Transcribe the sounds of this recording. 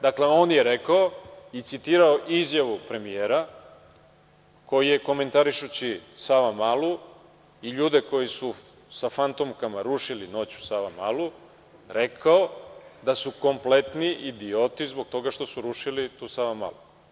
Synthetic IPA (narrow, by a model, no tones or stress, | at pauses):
d̪akle̞o̞ːnje̞ɾekaoit̪sit̪iːɾaoʔizjaʋupɾe̞mijeːɾa | ko̞jije̞ko̞me̞nt̪aɾiʃut͡ɕisaʋamalu | iʎuːd̪e̞ko̞jisu | safant̪omkamaɾuʃilino̞ːt͡ɕu̥saʋama̰lu | ɾe̞kʰaod̪asuko̞mple̞t̪niʔid̪io̞t̪izbo̞ɡ̚t̪o̞ɡaʃt̪o̞suɾuʃilit̪uːsaʋama̰lu